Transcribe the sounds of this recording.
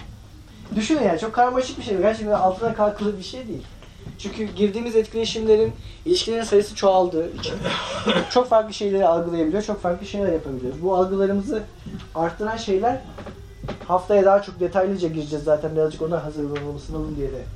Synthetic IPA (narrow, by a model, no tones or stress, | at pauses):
d̪yʃynd̪yjaːnt͡ʃʰo̞kʰːaɾmaʃik̚biʃejɛɟʲæɾt͡ʃʰɛkt̪alˠt̪ʰɯlˠaɾkʰalˠkʰɯlˠɯbiʃe̞jd̪ejilʲ | t͡ʃʰyɲʲcʰyɟiɾd̪iːmizɛt̪cʰilʲe̞ʃimlʲe̞ɾinilʲiʃcʰilʲeɾinsajɯsɯt͡ʃʰoalˠd̪ɯːit͡ʃʰint͡ʃʰo̞kfaɾklˠɯʃe̞jlʲe̞ɾialˠɡɯlˠajabilʲijot͡ʃʰo̞kfaɾklˠɯʃe̞jlʲæɾjapʰabilʲiɾzbualˠɡɯlˠaɾɯmɯzɯ | aɾt̪ʰːɯɾanʃe̞jlʲæɾ | haft̪ʰajad̪aːat͡ʃʰo̞k̚d̪e̞t̪ʰajlʲid͡ʒɛɟiɾid͡ʒɛzːaːt̪ʰænbiɾazd͡ʒɯko̞nd̪aɾɦazɯɾlˠanɯlˠmasɯnalˠund̪ijelɛ